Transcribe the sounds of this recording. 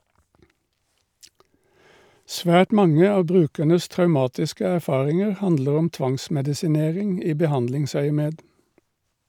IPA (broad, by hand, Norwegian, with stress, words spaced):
ˈsʋæːʈ ˈmɑŋə ˈɑː ˈbʁʉːkænəs tʁɑʉˈmɑːtɪskə æʁˈfɑːʁɪŋəʁ ˈhɑndləʁ ˈɔm ˈtʋɑŋsmɛdɪsɪˌneːʁɪŋ ˈiː bəˈhɑndlɪŋsœʏəˌmeːd